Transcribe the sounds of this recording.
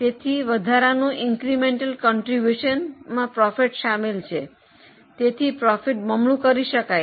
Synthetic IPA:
t̪et̪ʰiʋəd̪ʱaɾanũʔɪŋkɾimẽɳʈəlkɔɳʈɾibjuʃənmãpɾɔfiʈʃamelt͡ʃʰe | t̪et̪ʰipɾɔfiʈməmlũkəɾiʃəkaj

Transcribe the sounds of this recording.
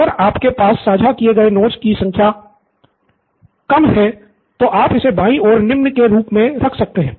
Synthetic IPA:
ɐɡəɾaːpkepaːsːaːd͡ʒʱakieɡɐenoːʈskisɐ̃ŋkʰja | kɐmɦɛ | t̪oʔaːpɪsebãːĩʔɔːɾnɪmnkeɾuːpmẽɾɐkʰsɐk̚t̪eɦɛ̃ː

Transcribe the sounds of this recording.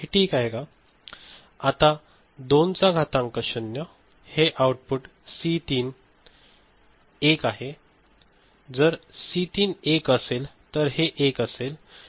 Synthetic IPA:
ɦeʈʰiːkaɦeka | at̪a | d̪ont͡saɡʱat̪ãŋkəɕənjə | heʔawʈ̚puʈ | sit̪iːn | ekaɦe | d͡zəɾsit̪iːnekəselt̪əɾɦeʔekəsel

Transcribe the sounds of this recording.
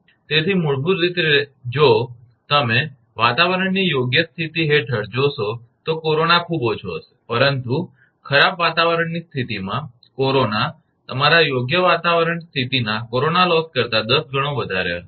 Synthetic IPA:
t̪et̪ʰimoɭbuɾɾit̪ed͡ʒo | t̪əme | ʋat̪aʋəɾəɳnijoɡjəst̪ʰit̪iɦeʈʰəɽd͡ʒosot̪okoɾonakʰubot͡ʃʰo̰se̥pəɾənt̪u | kʰəɾabʋat̪aʋəɾəɳnist̪ʰit̪imã | koɾona | t̪əmaɾajoɡjəʋat̪aʋəɾəɳst̪ʰit̪inakoɾonalɔskəɾt̪ad̪əsɡʱəɽ̃oʋəd̪ʱa̰ɾḛ

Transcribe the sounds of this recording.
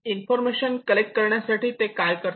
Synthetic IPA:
infɔɾmeɕənkəlek̚ʈ̚kəɾɳjasaʈiːt̪ekajkəɾt̪

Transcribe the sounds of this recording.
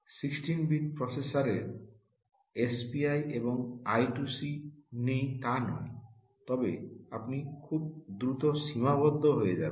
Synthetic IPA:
siksʈinbiʈ̚pɾɔsesaɾeɾ | espiajebɔŋajʈusinejt̪anɔ̰j | t̪ɔbḛapnikʰubd̪ɾut̪ɔsimabɔd̪ʱːɔɦojed͡ʒa̰

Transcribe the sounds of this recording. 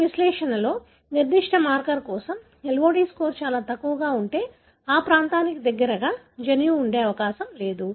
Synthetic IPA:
ʋislɛːʂɐnɐlo̞ː | niɾd̪iʂʈɐmaːɾkɐɾkɔːsɐm | elʋoːɽiːskoːɾt͡ʃaːlaːt̪ɐkːuʋɐɡaːuɳʈe̞ː | aːpɾaːnt̪aːnikid̪ɐɡːɐɾɐɡaː | d͡ʒɐnjuːɳɖe̞ːɐʋɐkaːsɐmle̞ːd̪u

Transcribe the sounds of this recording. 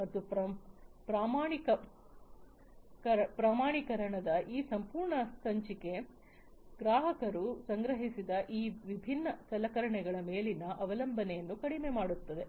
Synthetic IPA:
mɐt̪ːup | pɾaːmaːɳikɐ | kɾpɾaːmaːɳikɐɾɐɳɐd̪ɐʔiːsɐmpuːɾɳɐsɐɲt͡ʃike̞ | ɡɾaːɦɐkɐɾusɐŋɡɾɐɦisid̪ɐʔiːʋibʱinːɐsɐlɐkɐɾɐɳɛɡɐɭɐme̞ːlinːɐʔɐʋɐlɐmbʱɐnɛjɐnːukɐɽimemaːɽut̪ːɐd̪e̞

